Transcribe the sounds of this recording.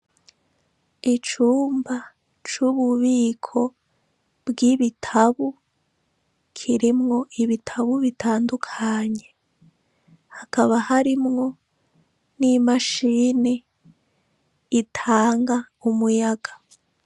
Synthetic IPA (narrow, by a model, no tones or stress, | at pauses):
it͡ʃuːmba | t͡ʃuβuβiːkʰo̞ | bɡiβitʰaβu | kʰiɾimŋo̞ʔiβitʰaβuβitʰaːndukʰaɲe̞ | hakaβahaɾimŋo̞ | nimaʃiːne | itʰaːŋɡa | umujaɡḁ